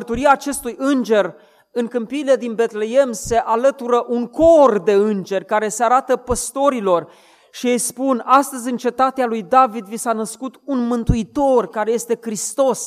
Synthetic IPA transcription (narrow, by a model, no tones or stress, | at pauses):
ərt̪uɾiaːt͡ʃe̞st̪ujʔɨnd͡ʒe̞r | ɨŋkɨmpiːle̞d̪inbe̞t̪le̞emse̞ʔalət̪uɾəʔuŋko̞rd̪e̞ɨnd͡ʒe̞rʲkaɾe̞seaɾat̪əpəst̪o̞ɾilo̞r | ʃiejspunast̪əzʲɨnt͡ʃe̞t̪at̪ealujd̪avid̪visanəskut̪unmɨnt̪uit̪o̞rkaɾe̞je̞st̪e̞kɾist̪o̞s